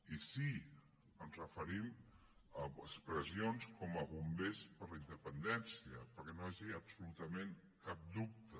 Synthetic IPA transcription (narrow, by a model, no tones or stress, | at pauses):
isi | ənzrəfəɾim | əəspɾəzionskɔməβumbespəɾləind̪əpənd̪ɛnsiəpəɾkɛnoaʒiəpsulut̪əmeŋ | kap̚d̪up̚t̪ə